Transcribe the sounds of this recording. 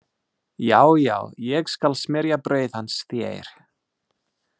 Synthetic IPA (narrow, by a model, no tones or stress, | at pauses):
jaːwja̰ːwjɛɣskalsmɛɾjapɾœːɥθhansθjɛːɾ̥